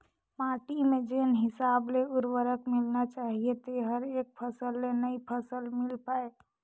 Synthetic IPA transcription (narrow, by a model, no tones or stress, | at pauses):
maːʈimẽd͡ʒenɦɪsaːbleʊɾwəɾəkmɪlnat͡ʃaːɦiet̪eɦəɾeːk̚pʰəsəlːenəipʰəsəlmɪlpaːe